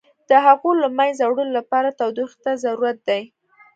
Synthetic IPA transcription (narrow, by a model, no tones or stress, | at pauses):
d̪̥əɦaɣolamajzawɽəlolapɑɾat̪awd̪ixt̪azaɾuɾat̪̚d̪aj